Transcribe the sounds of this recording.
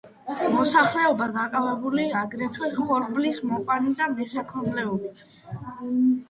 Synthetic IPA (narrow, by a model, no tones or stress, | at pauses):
mɔsaχlɛɔbaɡaqʼavɛbuliaɡɾɛt̪ʰwɛχɔɾblismɔqʼanid̪amɛsakʰɔɾmlɛɔbit̪ʰ